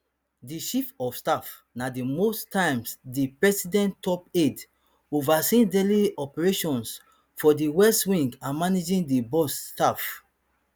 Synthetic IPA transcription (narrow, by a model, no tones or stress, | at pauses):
diʃifɔfstaf | nadimostʰãmsdipɹɛsidɛ̃ntɔped | ovasĩdeliɔpɛɹeʃɔ̃ns | fɔdiwɛstwĩŋɡãnmaned͡ʒĩndibɔstaf